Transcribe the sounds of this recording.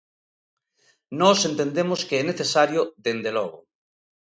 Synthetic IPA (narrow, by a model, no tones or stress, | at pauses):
nɔsent̪end̪emoskeɛneθesaɾjoðend̪elɔɣ̞o̰